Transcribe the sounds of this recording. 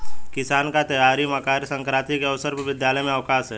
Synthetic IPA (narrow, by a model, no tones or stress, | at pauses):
kɪsaːnkat̪ɐjaːɾimakaːɾsə̃ŋkɾaːt̪ikeɐʋsəɾpʋɪd̪jaːləjmẽəʋkaːsɦɛː